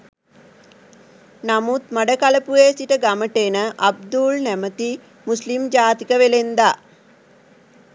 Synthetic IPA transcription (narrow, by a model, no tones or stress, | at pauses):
namut̪maɖəkaləpueːsiʈəɡaməʈenəʔab̚d̪ulnæmət̪i | muslimd͡ʒaːt̪ikəʋelend̪a